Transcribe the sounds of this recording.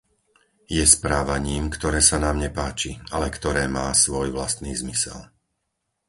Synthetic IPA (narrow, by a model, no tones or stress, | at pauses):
jɛspɾaːʋaɲiːmkt̪ɔɾɛːsanaːmɲɛpaːt͡ʃialɛkt̪ɔɾɛːmaːsʋɔjʋlast̪niːzmisɛ̰l